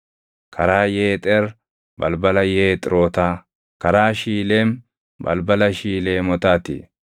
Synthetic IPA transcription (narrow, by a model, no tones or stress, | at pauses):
kʰɐɾaːjeːt̪ʼɛɾ | bɐ̰lbɐlɐjeːt̪ʼɪɾo̞ːt̪aː | kɐɾaːʃiːleːm | bɐ̰lbɐlɐʃiːleːmɔt̪aːt̪ḭː